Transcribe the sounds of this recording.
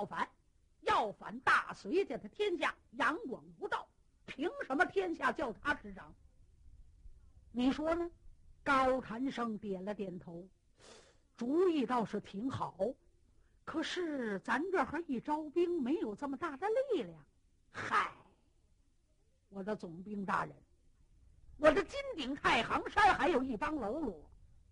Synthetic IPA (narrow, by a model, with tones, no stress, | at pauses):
ʊfa˧˥n | jɑ˥˩ʊfa̰˧˥nt̪a˥˩swe˧˥ɪt̪jɛ˨˩d̪ə˦t̪ʰjɛ˥nɕja˥˩ | jɑ˧˥ŋkwɑ˨˩ŋpu˧˥t̪ɑ˥˩ʊ | pʰi˧˥ŋʂə˧˥nmə˧t̪ʰjɛ˥nɕja˥˧t͡ɕjɑ˥˩ʊt̪ʰa˥ʈ͡ʂɻ̩˧˥ʈ͡ʂɑ˨˩˦ŋ | ni˨˩ʂwɔ˥nə˨kɑ˥ʊt̪ʰa˧˥nʂɤ˥ŋt̪jɛ˨˩nlə˦t̪jɛ˨˩nt̪ʰo˧˥ʊ | ʈ͡ʂu˧˥i˥˩t̪ɑ˥˧ʊʂɻ̩˥˩t̪ʰi˧˥ŋxɑ˨˩˦ʊ | kʰɤ˨˩ʂɻ̩˥˩t͡sa˧˥nʈ͡ʂə˞˨˩xə˞˧˥i˥˩ʈ͡ʂɑ˥ʊpi˥ŋme˧˥ɪjo˨˩ʊʈ͡ʂə˥˩mə˩t̪a˥˩d̪ə˩li˥˧ljɑ˥˩ŋ | xa˨˩ɪ | wɔ˨˩d̪ə˦t͡sʊ˨˩ŋpi˥ŋt̪a̰˥˩ɻə̰˧˥n | wɔ˨˩d̪ə˦t͡ɕi˥nt̪i˨˩ŋt̪ʰa˥˩ɪxɑ˧˥ŋʂa˥nxa˧˥ɪjo˨˩ʊi˥˩pa˥nlo˧˥ʊlwɔ˨˩˦